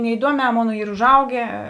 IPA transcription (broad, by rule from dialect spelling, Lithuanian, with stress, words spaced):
nʲɛɪˈduɔmʲɛː ˈmoːnɐ ˈiːr ʊʒˈɐʊɡʲeː